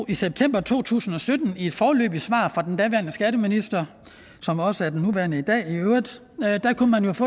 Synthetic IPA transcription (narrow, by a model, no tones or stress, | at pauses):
iseb̥̚t͡sʰem̰b̥ɐt͡sʰo̝̰ːt͡sʰṵːsn̩ɒ̽sød̥n̩ie̝d̥fɒːlø̰ːb̥isʋɑ̰̈ːfʁɑ̈d̥end̥ɛʋæɐnəsɡ̥æɾəminisd̥ɐ | sɒ̽mɒ̽səæɐdennuʋæɐnəid̥ɛ̰ːiøʊʁd̥ˠ | d̥ɑ̈kunmænjo̝fɔː